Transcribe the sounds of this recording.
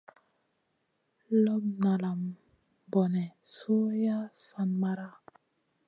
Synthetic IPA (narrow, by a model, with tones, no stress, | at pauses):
lɔ˦pna˨la˨m | bɔ˨nɛ˨su˦ja˦sa˨nma˨ɾa˦